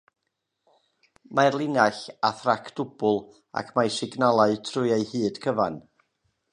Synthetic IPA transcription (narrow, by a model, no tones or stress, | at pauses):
majrlˠɪnaɬaθrakʰd̥ʊbʊlˠ | a̰kʰmajsɪɡnalˠaɨtʰrʊɨejhɨːd̥kʰəvan